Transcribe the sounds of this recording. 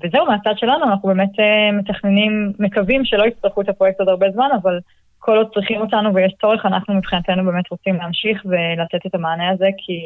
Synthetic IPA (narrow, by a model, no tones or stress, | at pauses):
vezeumeat͡sad̥̪ʃe̞lanuanaχnube̞ːme̞teme̞taχne̞nimːekavimʃelo̞it͡stʁeχuet̪apʁoek̚tod̪aʁbe̞zmanaval | kʰo̞lod̪̚t͡sʁiχimo̞tanuvejeʃt͡so̞ʁ̞eχanaχnumipχinat̪enube̞ːme̞t̪ʁo̞t͡simleamʃiχve̞lat̪e̞t̪et̪amaːneaze̞kʰi